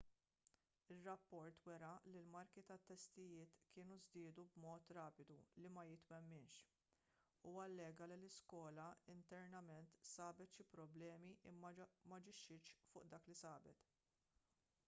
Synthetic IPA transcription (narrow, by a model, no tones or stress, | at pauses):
ɪrːɐpːɔɾt̪wɛɾɐlilmɐɾkit̪ɐt̪ːɛst̪ɪjɪːt̪kɪːnuzd̪ɪːd̪ubmɔːt̪ɾɐːpɪd̪ulimɐjɪt̪wɛmːɪnʃ | uːwɐlːɛːɡɐlilɪskɔːlɐɪnt̪ɛɾnɐmɛnt̪sɐːbɛt̪ʃipɾɔblɛːmiʔɪ̰mːɐmɐd͡ʒɪʃːɪʃfʊːʔd̪ɐːklisɐːbɛt̪